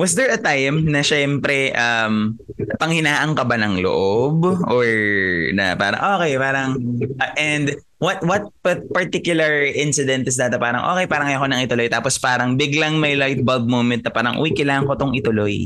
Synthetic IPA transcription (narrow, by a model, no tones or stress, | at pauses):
wɐsd̪ɛɹɐt̪ajmnɐʃɛmpɾɛʔɐm | pɐŋhɪnaːʔɐŋkɐbanɐŋlo̰ʔobʔoɹnɐ̰pa̰ːɾɐ̰ŋʔoːkɛjpaːɾɐŋɐʔɛnd̪ | wɐt̪̚wɐt̪̚ppɐɹt̪ikjʊlɐɹʔɪnsɪd̪ɛnt̪ɪs̬d̪aːt̪ɛpaːɾɐ̰ŋʔo̰ːkɛjpaːɾɐŋɐjʔɐkonɐŋɪt̪ʊlo̞jt̪aːpospaːɾɐŋbɪɡlɐŋmɐjlajt̪̚bɐld̪̚moːmɛt̪nɐpaːɾɐŋʔṵwikɐjlaːŋɐŋkot̪oŋʔɪt̪ʊloj